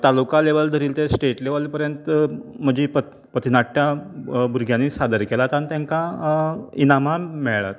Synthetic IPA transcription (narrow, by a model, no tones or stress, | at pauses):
t̪alukaleʋəld̪ʱəɾiːlt̪esʈeʈleʋəlpəɾjənt̪m̤əd͡ʑiːpə | pət̪inaʈʰːjabuɾɡʱjanːisad̪əɾkelat̪anit̪jãŋka | inamamɛɭɭa̰t̪